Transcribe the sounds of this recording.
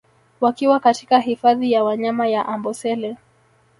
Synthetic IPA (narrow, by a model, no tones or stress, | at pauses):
wakiwakati̥kaɦifaðijawaɲamajaʔambɔsɛlɛ